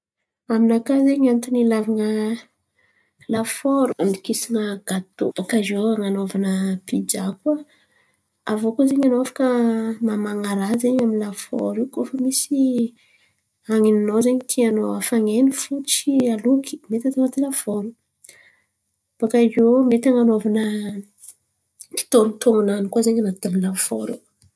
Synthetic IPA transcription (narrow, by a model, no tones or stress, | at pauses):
aminakazeɲant̪inilavaŋə | lafoɾuand̪ikisaŋəɡ̥at̪o̰b̥akazoaŋanovanəpid͡ʒaka | avokozeɲanoafḁkəmamaŋaɾazeɲaminlafɔ̰ɾikofəmisi | aŋininozeɲit̪ʰianoafaŋenifut͡sialukʰi̥met̪at̪anat̪ilav̥oɾu | b̥akazomet̪aŋanovanə | ki̥t̪onit̪oŋananikwazeɲanat̪elilafoɾu